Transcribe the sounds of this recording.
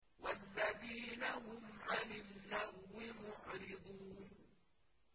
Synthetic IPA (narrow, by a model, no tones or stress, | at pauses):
walːaðiːnahʊmʕanɪlːahwɪmʊʕɾɪd̪ˤuːn